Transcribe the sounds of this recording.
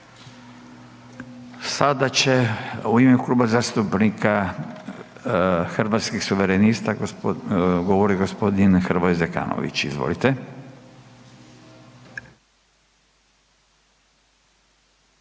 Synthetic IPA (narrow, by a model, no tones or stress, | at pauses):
sad̪at͡ɕeuimeuklˠuːbazaːst̪upnikʰa | xrʋat̪skixsuʋeɾenist̪a | ɡoʋoɾiɡospo̞d̪inxrɾʋojzeka̰ːno̰ʋḭt͡ɕḭzʋo̰lit̪e